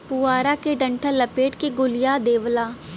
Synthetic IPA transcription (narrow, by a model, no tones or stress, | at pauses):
pʊaːɾakeɖɐ̃ɳʈʰəlɐpeːʈkeɡʊlɪjaːd̪eːʋlaː